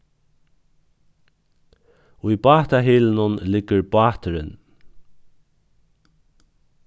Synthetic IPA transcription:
ʊjbɑːt̪aɦiːlɪnʊnlɪɡ̥əɾbɑːt̪ɪɾɪ̰n

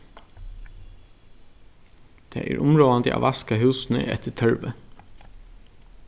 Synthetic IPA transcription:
d̪̥ḛːʔæːɹʔʊmɹoːɑnd̪ḛʔo̰ːʋʔɑskɑhʉːsn̩ə̰ʔɛ̰t̪ʰət̪ʰœɹʋə

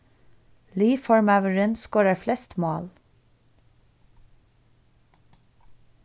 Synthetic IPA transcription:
liːfɔɹmɑʉəɹənskoːɹəflɛst̪moːl

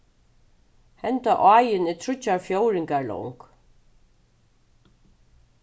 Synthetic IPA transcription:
hɛnt̪aʔajɪnɪt̪ʰɹʏt͡ɕːaɹfjowɾɪŋkaɹlɔ̰wŋk

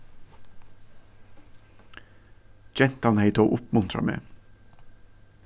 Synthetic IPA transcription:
d͡ʒɛnt̪ɑnhæɪt̪oːʔʊpmʉnt̪ʰɾɑ̰mḛː

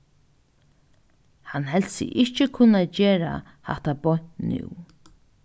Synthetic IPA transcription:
hanɦɛlsɪ̰ʔɪht͡ʃɪkʰʊnad͡ʒeːɾa̰ | ha̰ht̪abɔn̥nʏ̰w

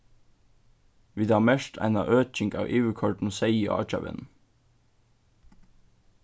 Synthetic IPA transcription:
ʋiːd̪ɑːmɛʃʈʰæ̰ɪnɑʔøːc͡çɪŋɡɑ̰ːʋʔiːʋəkʰɔʈn̩seɪiʔɑ̰ːc͡çɑ̰ʋɪ̰n

